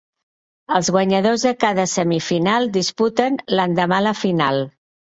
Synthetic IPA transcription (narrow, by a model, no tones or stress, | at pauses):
əlˠzɣwəɲəðozðəkaðəsəmifinalˠd̪isput̪ənlənd̪əmaləfinalˠ